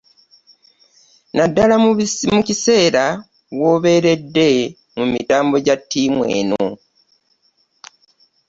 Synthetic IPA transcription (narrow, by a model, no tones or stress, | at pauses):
nadːalamucise̞ːɾa | wo̞ːβe̞ɾe̞dːe̞ | mumitaːmbo̞ɟatːiːmwe̞̰ːno̰